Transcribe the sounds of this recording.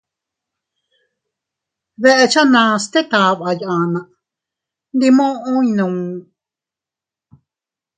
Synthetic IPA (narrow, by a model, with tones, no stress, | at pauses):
βe˦ʔe˧t͡ʃa˦nã˧st̪e˦t̪a˧βʔa˧jʔã˨nã˨ʔ | nd̪i˧mõ˦ʔõ˦ĩ˧nũ˧